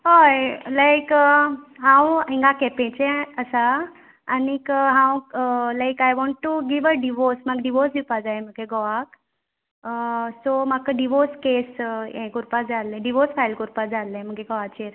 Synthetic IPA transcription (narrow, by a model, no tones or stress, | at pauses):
ɦojlajk | ɦãwɦĩŋɡakɛpẽt͡ʃɛ̃əsaː | nikɦãwlajkajʋɔ̃ɳʈːuɡiʋəɖiʋɔsmaɡɖiʋɔɾsd̪ipad͡zajm̤əkeɡɔʋak | somakəɖiʋɔskesjẽkuɾpad͡zalɛ̃ɖiʋɔsfajlkuɾpad͡zalẽm̤əɡkeɡɔʋat͡ɕeɾ